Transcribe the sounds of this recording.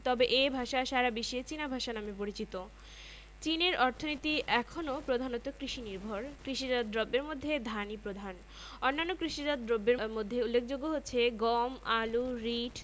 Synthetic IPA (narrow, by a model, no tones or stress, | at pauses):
t̪ɔbeʔebʱaʃaʃaɾabiʃiet͡ɕinabʱaʃanamepoɾit͡ɕit̪o | t͡ɕineɾʔɔɾt̪ʰonit̪iʔɛkʰonopɾod̪ʱanot̪okɾiʃiniɾbʱoɾkɾiʃid͡ʑad̪d̪ɾɔbːeɾmod̪ʱːed̪ʱanipɾod̪ʱan | onːanːokɾiʃid͡ʑad̪ɾɔbːeɾmod̪ʱːeulːek̚ʰd͡ʑoɡːoɦotːɕʰeɡɔmaluɾiʈʰ